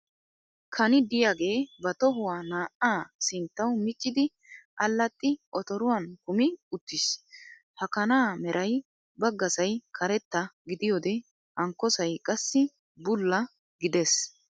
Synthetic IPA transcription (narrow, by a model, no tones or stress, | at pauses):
kʰɐnɪd̪ɪjaːɡe̞ːbɐt̪ɔɦʊwaːnaːʔaːsɪnt̪ːɐwmɪt͡ʃʼːɪd̪ɪ | ʔɐlːɐt̪ʼːɪʔɔt̪ɔɾʊwɐnkʊmɪʊt̪ːɪs | hɐkɐnaːmɛɾʔɐj | bɐɡːɐsɐjkʰɐɾɛt̪ːɐɡɪd̪ɪjɔːd̪ɛ | ʔɐŋkːɔsɐjkʼɐsːɪ | bʊlːɐ | ɡɪd̪ɛs